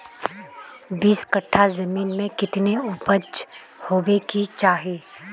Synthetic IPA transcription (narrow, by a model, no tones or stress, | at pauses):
biːskəʈʰːazɐmiːnmẽkɪt̪neʊpət͡ʃ | hoːbekit͡ʃaːɦeː